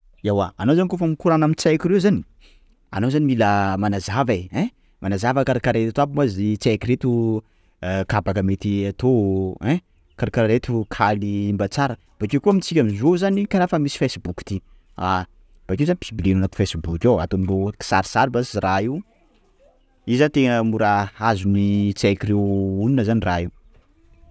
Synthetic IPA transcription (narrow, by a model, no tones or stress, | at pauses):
awaːnowzanikofəmikuɾanamit͡sajkʲiɾewzani̥ | a̰nowzanimiləmanazaveɛ̃ | mʔanazavəkaɾakaɾaet̪t̪abimazit͡sekiɾet̪u | kabakəmet̪iat̪oɛ̃ | kaɾakaɾaɾet̪ukʰaliimbat͡saɾə | b̥akewkuamit͡sikʲamizozanikaɾafəmisi̥fesbuki̥t̪i | a | b̥akewzani̥pʰibilenanat̪u̥fesibukʲawa̰t̪omiroki̥sa̰ɾi̥saɾibasiraiu | izant̪eŋəmuɾaazunit͡sekiɾewuninəzaniraiu